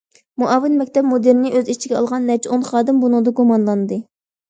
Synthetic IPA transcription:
muʔɑːvɪnmɛkʲt̪ʰɛp̚mod̪ɪɾnɪʔøzit͡ʃʰiɡʲɛɑ̰lˠʁɑnːɛt͡ʃʰonχɑːd̪ɪmbunud̪ɑɡumɑnlˠɑnɨd̪ɨ

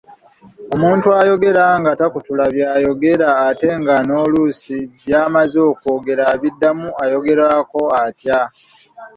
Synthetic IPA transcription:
o̞muːntuajo̞ɡe̞ɾaŋɡatakutulaβjaːjo̞ɡe̞ɾaːte̞ŋɡano̞ːlusiβjaːmazo̞ːko̞ːɡe̞ɾaβidːamuajo̞ɡe̞ɾaːko̞atja

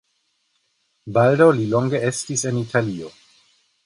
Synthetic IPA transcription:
baldawlilo̞ŋɡee̞stise̞nitʰalio̞

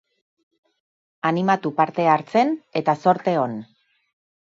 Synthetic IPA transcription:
animat̪upaɾt̪e̞aɾt͡se̞ne̞t̪aso̞ɾt̪e̞o̞n

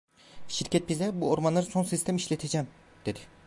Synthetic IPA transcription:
ʃiɾcɛt̪̚bizɛbuoɾmanlˠaɾso̞nsist̪ʰɛmiʃlʲet̪ʰed͡ʒɛm | d̪̥e̞d̪ɪ

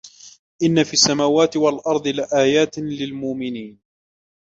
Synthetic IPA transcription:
ʔɪnːafiːasːamaːwaːt̪ɪwalʔɑɾˤd̪ˤɨlɪʔaːjaːt̪lɪlmʊʔmɪniːn

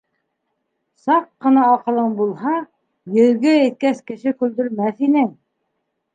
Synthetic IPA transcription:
sɑqːɤ̆nɑːqɤ̆lˠɤɴbulˠɦɑ | jɘ̆ðɡɘːt̪̚kæθkɘ̆ʃɘkʉld̪ɵ̆ɾmæθinɘŋ

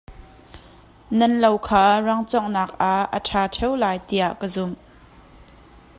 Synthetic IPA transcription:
nɐnlowkʰaːrɐŋt͡sɔŋnaːk̚ʔaə̰ʈʰaːʈʰɛwlaːjt̪iaʔkəzum

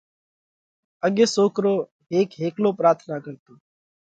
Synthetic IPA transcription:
əɠeːsoːkɾoː | ɦeːkɦeːkloːpɾaːɾt̪ʰnaːkəɾt̪oː

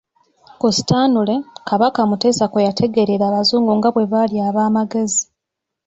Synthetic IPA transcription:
kusi̥taːnule̞kaβakamute̞ːsakwejatʰe̞ɡe̞ɾeɾaːβazuːŋɡuŋɡaβwe̞βaljaːβaːmaɡe̞zi

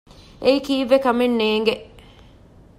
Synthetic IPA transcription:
eikiːʋːekɐmenːeːŋɡe

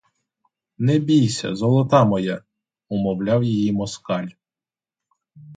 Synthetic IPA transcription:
nɛbʲijsʲɐ̰zɔlˠɔt̪ɑmɔjɛ | ʊmɔwlʲɑwjijimɔskɑlʲ

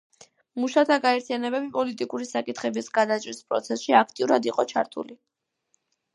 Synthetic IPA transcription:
muʃat̪ʰaɡaɛɾt̪ʰijanɛbɛbipʼɔlit̪ʼikʼuɾisakʼit̪ʰχɛbisɡad̪at͡ʃʼɾispʼɾɔ̰t̪sʰɛsʃiakʰt̪ʼiuɾad̪iqʼɔt͡ʃʰaɾt̪ʰṵli

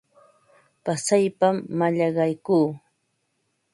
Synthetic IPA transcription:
pasajpamːaʎɑɢɑjkuː

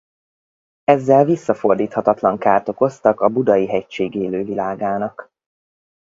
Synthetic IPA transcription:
ɛzːɛlvisːɒfo̞rd̪iːt̪hɒt̪ɒt̪lɒŋkaːrt̪o̞ko̞st̪ɒkɒbud̪ɒjiɦɛct͡ʃeːɡeːløːvilaːɡaːnɒk

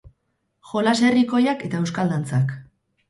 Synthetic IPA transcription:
ʝo̞lase̞riko̞jake̞t̪aewskald̪ant͡sak

